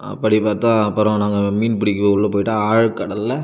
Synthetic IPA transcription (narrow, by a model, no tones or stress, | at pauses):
ɐ̰pːɐɽipaːɾt̪ãːɐpːɐɾɔ̃naːŋɡɐmiːnpɪɽɪkːɯɔɭːɯpoːjɪʈːaːaːɻkːɐɽɐlːɐ